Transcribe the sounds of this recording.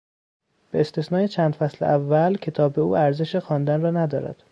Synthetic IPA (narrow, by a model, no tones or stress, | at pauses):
b̥e̞ːst̪e̞snɒːje̞t͡ʃʰæːnd̪fæslḛʔævːælcʰe̞t̪ʰɒːbe̞ṵːæɾze̞ʃexɒːnd̪ænrɒːnæd̪ɒːɾæ̰d̪̥